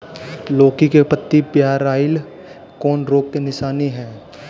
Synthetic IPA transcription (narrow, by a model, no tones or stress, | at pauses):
loːkikepət̪ːipjaːɾaːɪl | kɔːnɾoːk̚kenɪʃaːniɦɛː